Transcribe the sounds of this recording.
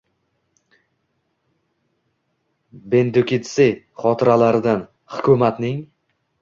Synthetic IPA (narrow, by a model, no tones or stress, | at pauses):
be̞nd̪ʊkʲɪt̪sɪ | χɒt̪ʰɪɾalaɾɪd̪an | hʊkʲʰʊmat̪nɪŋ